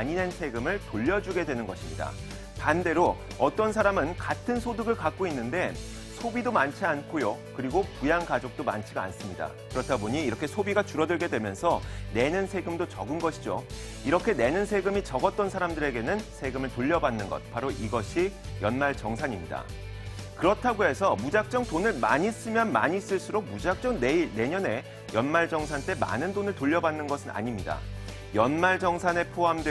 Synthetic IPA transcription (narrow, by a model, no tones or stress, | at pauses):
aɲine̞nsʰe̞ɡɯmɯɭtoʎːʌd͡ʑuɡe̞dwe̞nɯnɡʌɕʰimɲida̰ | pande̞ɾo | ʌt͈ʌnsʰaɾamɯnkatʰɯnsʰodɯɡɯɭkak̚k͈oinːɯnde̞ | sʰobidomant͡ɕʰiankʰojokɯɾiɡopujaŋkad͡ʑok̚t͈oma̰nt͡ɕʰiɡaa̰ns͈ɯmɲida̰ | kɯɾʌtʰaboɲiːɾʌkʰesʰobiɡat͡ɕuɾʌdɯɭɡe̞dwe̞mjʌnsʰʌne̞nɯnsʰe̞ɡɯmdot͡ɕʌɡɯnɡʌɕʰid͡ʑo | iɾʌkʰe̞ne̞nɯnsʰe̞ɡɯmit͡ɕʌɡʌt̚t͈ʌnsʰaɾamdɯɾe̞ɡe̞nɯnsʰe̞ɡɯmɯɭtoʎːʌbanːɯnɡʌ̰t̚paɾoʔiɡʌɕʰijʌnmaɭt͡ɕʌŋsʰaɲimɲida̰ | kɯɾʌtʰaɡoe̞sʰʌmud͡ʑak̚t͡ɕ͈ʌŋtonɯɭma̰ɲis͈ɯmjʌnma̰ɲis͈ɯɭs͈uɾok̚mud͡ʑak̚t͡ɕ͈ʌŋnene̞ɲʌne̞ | jʌnmaɭd͡ʑʌŋsʰant͈e̞ma̰nɯndonɯɭtoʎːʌbanːɯnɡʌsʰɯna̰ɲimɲida̰ | jʌnmaɭd͡ʑʌŋsʰane̞pʰoɦamdwe